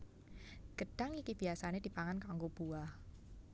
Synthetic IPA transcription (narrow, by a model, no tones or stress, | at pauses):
ɡ̥əɖ̥aŋikib̥iasaned̪̥i̤paŋankaŋɡob̥uah